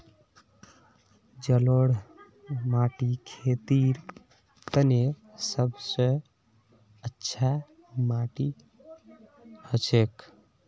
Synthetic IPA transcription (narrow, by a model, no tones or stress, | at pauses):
d͡ʒəloɽ | maʈikʰet̪iɾ | t̪ənesəbsə̃ | ətːʃʰa | maʈi | hət͡ʃʰek